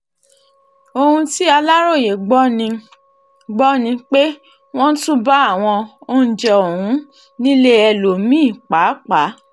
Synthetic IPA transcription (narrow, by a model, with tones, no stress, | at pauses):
o˧hũ˧ti˦a˧la˦ɾo˦˨je˨ɡ͡bɔ˦nĩ˧ | ɡ͡bɔ˦nĩ˧k͡pe˦ | w̃ɔ̃˦tũ˦ba˦a˦˨w̃ɔ̃˧o˦n̩˦˨d͡ʒɛ˨o˨hũ˨˦ | nĩ˦le˦ɛ˧lo˨˦mĩ˦˨k͡pa˨˦k͡pa˨˦